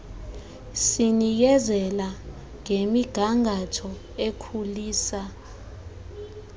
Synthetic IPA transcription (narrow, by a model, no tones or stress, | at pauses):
sinijɛzɛla | ŋʱemiɡ̥ʱaŋɡʱatʰɔ | ekʰuliːsa